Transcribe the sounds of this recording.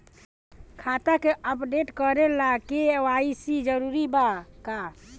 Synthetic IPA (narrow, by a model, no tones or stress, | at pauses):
kʰat̪akeʔəpɖeʈkəɾelakewaisid͡ʒəɾuɾibaka